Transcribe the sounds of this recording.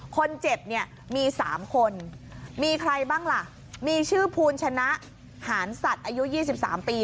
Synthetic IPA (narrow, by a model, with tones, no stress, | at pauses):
kʰo˧nt͡ɕe˨˩p̚ni˥˩ɐ | miː˧saː˩˦mkʰo˧n | miː˧kʰɾa˧jbaː˥˩ŋla˨˩ʔ | miː˧t͡ɕʰɯː˥˩pʰuː˧nt͡ɕʰa˧na˦˥ʔ | haː˩˦nsa˨˩t̪̚ʔaː˧ju˦˥jiː˥˩s̬i˨˩p̚sa̰ː˩˦mpiː˧